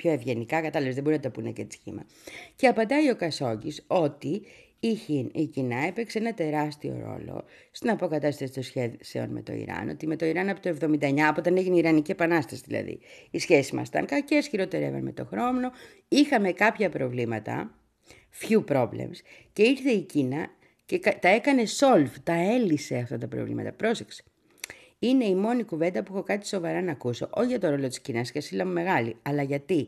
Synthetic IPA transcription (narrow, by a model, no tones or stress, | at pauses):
pço̞e̞vʝe̞nikɐkɐt̪ɐlepszðeboɾinɐt̪o̞puinecet͡si̥çḭmɐ̰ | ce̞ɐpɐnd̪ɐio̞kɐso̞ɲɟiso̞t̪i | içinicinɐepekseenɐt̪e̞ɾɐst̪io̰ɾo̞̰lo̞̰ | st̪inɐpo̞kɐt̪ɐst̪ɐsit̪osçeseo̞̰nmḛt̪o̞̰ḭɾɐ̰no̞̰t̪ime̞t̪o̞iɾɐnɐpot̪oe̞vðo̞mind̪ɐeɲɐpoot̪ɐne̞ʝineiɾɐnicie̞pɐnɐst̪ɐsiðilɐ̰ðḭisçesizmɐ̰st̪ɐ̰ŋkɐcesçiɾo̞t̪eɾɐḛvɐ̰nmḛt̪o̞̰xɾo̞mno̞ | ixɐme̞kɐpçɐpɾo̞vlimɐt̪ɐ̰ | fçupɾo̞vlḛmsce̞iɾθe̞icinɐ | ceɐt̪ɐe̞kɐne̞so̞lft̪ɐe̞lise̞ɐft̪ɐt̪ɐpɾo̰vlḭmɐ̰t̪ɐpɾo̞sekse̥ | ine̞imo̞nikuve̞nd̪ɐpuexo̞kɐt̪i̥so̞vɐɾɐnɐkuso̞̰ʔoçʝɐt̪o̞ɾo̞lo̞t̪i̥scinɐskɐsilɐmume̞ɣɐlḭɐlɐʝɐt̪i